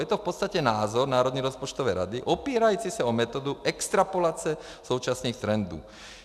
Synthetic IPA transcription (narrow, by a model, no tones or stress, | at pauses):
jɛt̪ɔfpɔt̪st̪acɛnaːzɔɾnaːɾɔd̪ɲɛɾɔspɔt͡ʃt̪ɔʋɛjɾa̰d̪iʔɔpiːɾajuːt͡sisaɔmɛt̪ɔːd̪uʔɛkst̪ɾapɔlaːt͡sɛ | suʊt͡ʃasniːxt̪ɾɛnd̪ṵː